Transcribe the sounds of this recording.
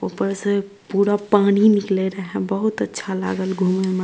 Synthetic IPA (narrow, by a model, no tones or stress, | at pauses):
opəɾse | puːɾapaːñinɪkleɾəɦɛ̃bəɦʊt̪ətːʃʰala̰ːɡəlɡʱuːmeme